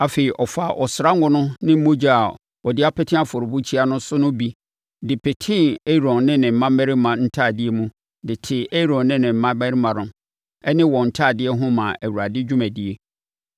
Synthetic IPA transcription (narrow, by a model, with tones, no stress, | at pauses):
a˨fe˨i˨ʔɔ˨fa˨ʔɔ˨sɾa˦ŋ˦ɡʊ̃˦nʊ̃˦nɪ̃˦m̩˦mo˦d͡ʑa˦a˨ | wɔ˨dɪ˦a˦pʰɛ˦tʰɪ̃˦a˦fʊ˨ɾʊ˨bu˦t͡ɕʰi˦a˦nʊ̃˦sʊ˦nʊ̃˦bi˦ | dɪ˨pʰɛ˨tʰɪ̃˦˨e˦ɾɔ̃˨nnɪ̃˦nɪ̃˨m̩˨˦mã˦mɛ˦ɾɪ˦mã˨n̩˦tʰaː˦˨di˦e˦mũ˦ | dɪ˨tʰɪ˨e˦ɾɔ̃˨nnɪ̃˦nɪ̃˨m̩˨˦ã˦mɛ˦ɾɪ˦mã˨nʊ̃˨ | ɛ˦nɪ̃˦wɔ̃˨n̩˨tʰaː˦˨dɪ˦ɛ˦ɦʊ̃˦mã˨ʔæ˨wu˨ɾa˨dɪ˦d͡ʑᶣu˦mæ̃˨di˦e˦